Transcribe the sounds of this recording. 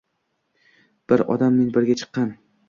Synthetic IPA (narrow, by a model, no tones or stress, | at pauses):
b̥ɪɾɒ̰d̪amːe̞nbɪɾɡʲat͡ʃʰɨ̥qːɑn